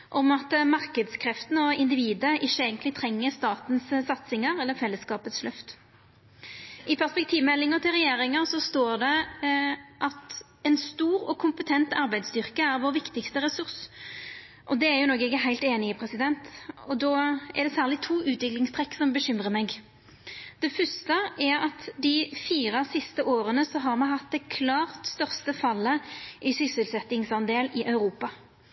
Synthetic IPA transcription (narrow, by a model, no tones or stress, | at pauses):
ʔɔmɑt̪mɑʁkəd̪skʰɾɛft̪n̩ɔɪnd̪ɪʋiːd̪əʔɪʃːəeːɡənlɪt̪ʰɾɛŋːəst̪ɑːt̪n̩ssɑt̪sɪŋəɾɛlːəfɛlːəskɑːpət̪slœft̪ | ʔɪpʰæʁspɛk̚t̪ʰiːʋmɛlːɪŋəʁt̪ʰɪlʁɛjeːɾɪŋəsɔst̪oːʁd̪ɛ | ʔɑt̪ | ɛnst̪uːɾɔkʰʊmpət̪ʰɛnt̪ɑɾbæɪd̪st̪ʏʁkəæɾʋoːɾʋɪkt̪ɪkst̪əɾɛsʉʁs | ʔɔd̪ɛæɾjʊnɔːɡɛɡəɦæɪlt̪eːnɪəpʰɾɛsɪd̪ɛnt̪ɔd̪ɔːæ̰ʁd̪ɛsæːʁlɪt̪ʰuːʔʉːt̪ʋɪklɪŋst̪ʰʁɛkːsɔmbəɕʏmʁəmɛɡ | d̪̥ɛfœst̪əʔæɾɑt̪d̪ɪfiːɾɑsɪst̪əʔoːɾənəsɔɦɑɾmɛɦɑt̪̚d̪ɛkʰlɑːʁt̪st̪œʁst̪əfɑlːəʔɪsʏsəlsɛt̪ːɪŋsɑnd̪eːlɪʔɑʉɾuːpɑ